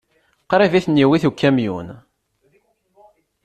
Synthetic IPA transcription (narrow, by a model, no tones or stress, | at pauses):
qɾˤiviθnːiwiθukːæmjṵn